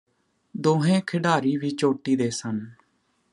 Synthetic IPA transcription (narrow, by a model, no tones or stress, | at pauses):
d̪oːɦẽːkʰɪɖaːɾiːʋiːt͡ʃoːʈːiːd̪eːsən